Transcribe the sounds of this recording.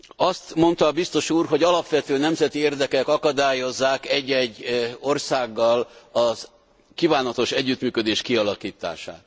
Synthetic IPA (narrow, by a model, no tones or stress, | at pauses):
ɒst̪mo̞nt̪ɒːbist̪o̞ʃuːrɦo̞ɟɒlɒpʋɛt̪øːnɛmzɛt̪ieːrd̪ɛkɛkɒkɒd̪aːjo̞zːaːkɛɟːɛɟːo̞rsaːɡːɒlɒz | kiːvaːnɒt̪o̞ʃɛɟːyt̪myːkød̪eːʃkiɒlɒkiːt̪a̰ːʃa̰ːt̪